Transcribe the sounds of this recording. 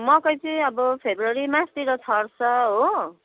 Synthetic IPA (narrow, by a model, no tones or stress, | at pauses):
mʌkʌjt͡siʌbʌpʰebrʌɾimãst̪iɾʌt͡sʰʌrsʰʌɦo